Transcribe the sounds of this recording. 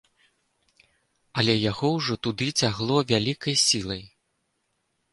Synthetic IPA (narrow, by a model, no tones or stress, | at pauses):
ɐlʲɛjaɣɔwʐɔt̪ud̪ɨt͡sʲaɣlˠɔvʲalʲikɐjsʲilˠɐj